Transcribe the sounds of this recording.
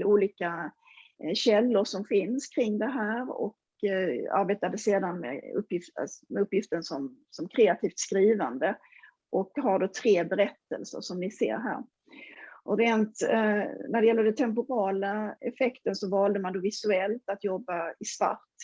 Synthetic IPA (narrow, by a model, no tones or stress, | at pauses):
uːliːka | ɕɛlːʊɾʂɔmfɪnskʰɾɪŋːd̪ɛɦæːɾɔ̰k | a̰ɾbeːt̪ad̪əseːd̪anmɛ̰ɵ̰pːjɪfmɛɵpːjɪft̪ənsɔm | sɔmkʰɾeːat̪ʰiːft̪skɾiːvand̪ə | ʔɔkɦaɖoːt̪ʰɾeːbɛɾɛt̪ːə̰lsə̰ɾʂɔmnɪsḛːɾɦæ̰ːɾ | ʔɔɾeːnt̪ | næɖɛjɛlːəɖɛnt̪ʰɛmp̬ʊɾɑːlaɛfɛkt̪ənsɔvɑːld̪əmand̪oːvɪsɵɛlt̪at̪jɔbːaɪsta̰ɾt̪